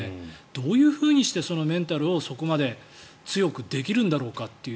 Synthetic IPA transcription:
ed̪̥o̞ːjɯ̟ːɸɯ̟ːɲ̟iɕi̥t̪e̞so̞no̞mẽ̞nt̪aɾɯ̟o̞so̞ko̞mad̪e̞ | t͡sɨjo̞kɯ̟d̪e̞k̬ʲiɾɯ̟̃nd̪aɾo̞ːkat̪ːe̞ɯ

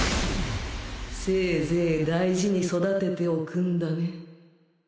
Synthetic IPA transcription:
seːzeːd̪aiʑiɲ̟iso̞d̪at̪e̞t̪e̞okɯ̟̃nd̪ane

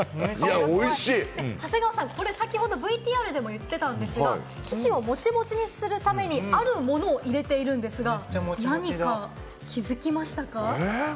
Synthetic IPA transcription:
jaoiɕiːehase̞ɡaβasãŋko̞ɾe̞sakʲiho̞d̪o̞bɯ̟it̪ʲiːaɾɯd̪e̞mo̞jɯt̪ːe̞t̪ãnd̪e̞sɨɡa̰ | kʲi̥t͡ɕio̞mo̞t͡ɕimo̞t͡ɕiɲ̟isɨɾɯ̟t̪ame̞ɲ̟iaɾɯ̟mo̞no̞ːʔiɾe̞t̪e̞iɾɯ̟̃nd̪e̞sɨɡamnaɲ̟ika | kʲʰizɨkʲimaɕi̥t̪aka

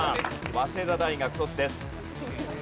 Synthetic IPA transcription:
βase̞zad̪aiɡakɯ̟sot͡sɨd̪e̞sɨ̥

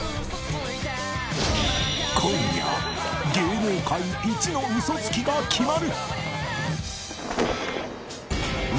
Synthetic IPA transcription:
kʰõɲia̰ | ɡʲeːɾeːkaiit͡ɕino̞isot͡sɨ̥kʲiɡakʲʰimaɾɯ̟ | m

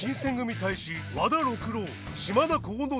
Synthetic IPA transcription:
ĩɰ̃sẽ̞ŋɡɯ̟mʲit̪aiɕi | βad̪aɾokɯɾoː | ɕimad̪akoːno

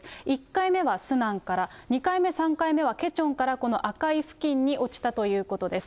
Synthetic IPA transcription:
ikːaime̞βasɨnãŋkaɾaɲ̟ikaime̞sãŋkaime̞βake̞t͡ɕõ̞ŋkaɾako̞no̞ʔakaiɸɯ̟̥kʲĩɲ̟ːiʔo̞t͡ɕi̥t̪at̪o̞jɯ̟ːko̞t̪o̞d̪e̞sɨ̥

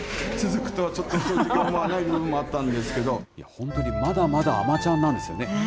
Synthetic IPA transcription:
t͡sɨzɨkɯ̟̥t̪oβat͡ɕo̞t̪ːo̥t̪oʑikãmmːoanaibɯ̟ːbɯ̃mːo̞at̪ːãnd̪e̞sɨ̥ke̞d̪o̞ija̰hõ̞nt̪o̞ɲ̟imad̪amad̪a̰ːmat͡ɕãnːãnd̪e̞sɨjo̞̰ne̞

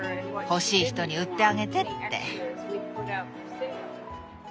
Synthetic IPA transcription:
ho̞ɕiːçi̥t̪o̞ɲ̟iɯ̟t̪ːe̞aɡe̞t̪e̞t̪ːe̞̰

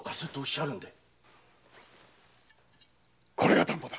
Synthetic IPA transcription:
kaset̪oːɕaɾɯ̟̃nd̪e | kʰoɾeɡat̪ãmpod̪ḁ

